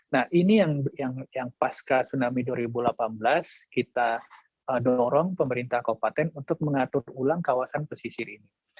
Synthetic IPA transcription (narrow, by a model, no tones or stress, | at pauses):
nahʔinijaŋjaŋjaŋpaskasunamiduaɾibulapanblaskit̪a | ədɔɾɔŋpəməɾint̪ahkopat̪ɛnunt̪ʊk̚məŋat̪ʊrulaŋkawasanpəsisiɾini